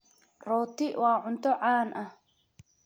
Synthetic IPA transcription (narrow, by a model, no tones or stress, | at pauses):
rɔːt̪ʰɪwɑːʕʊnt̪ʰɔʕɑːnʔɐh